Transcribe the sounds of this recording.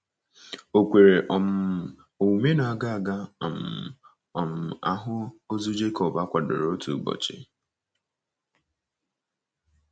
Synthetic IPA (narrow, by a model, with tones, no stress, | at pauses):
o˨kʷe˨ɾe˨ʔɔ˨m̩˨ | o˨wu˨me˦na˨a˨ɡa˦a˨ɡa˦˨m̩˨ | ɔ˨m̩˨a˦ɦʊ˦o˦zu˦d͡ʒe˦kɔ˨ba˦kʷa˨dʊ̰˨ɾo˦tṵ˨ɡ͡bɔ̰˨t͡ʃɪ̰˦